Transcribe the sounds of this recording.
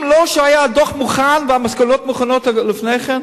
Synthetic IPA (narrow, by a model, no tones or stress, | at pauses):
mloʃəajadoχmuχanvɪamaskɔlotmuχanotlɪfnejχɛn